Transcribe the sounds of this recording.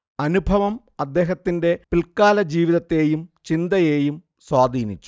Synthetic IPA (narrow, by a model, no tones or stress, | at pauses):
ɐnubʱɐʋɐm | ɐd̪ːe̞ːɦɐt̪ːinde̞pilkaːlɐd͡ʑiːʋiðɐt̪ːe̞ːjumt͡ɕind̪ɐje̞ːjum | swaːd̪ʱiːnit͡ɕːu̥